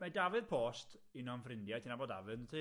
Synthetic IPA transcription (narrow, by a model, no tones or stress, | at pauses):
madavɨðpʰoːstʰ | inɔnfrɪndjatʰinaboːda̰vɨðnətʰi